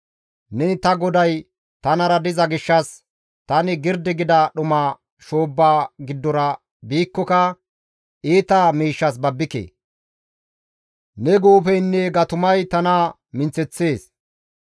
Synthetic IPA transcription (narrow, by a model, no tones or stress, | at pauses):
nɛnt̪ɐɡɔd̪ɐj | t̪ɐnɐɾɐd̪ɪzɐɡɪʃːɐs | t̪ɐnɪɡɪɾd̪ɪɡɪd̪ɐɗʊmaː | ʃoːbːaːɡɪd̪ːɔɾɐ | biːkːɔkɐ | ʔiːt̪aːmiːʃːɐs̬bɐbːɪkḛː | nɛɡoːfɛjnːɛɡɐt̪ʊmɐjt̪ɐna | mɪnt͡sɛt͡sːe̞ːs